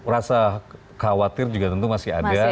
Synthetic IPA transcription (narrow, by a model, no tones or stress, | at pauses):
rasa | kawat̪ɪrd͡ʒuɡat̪ənt̪umasia̰da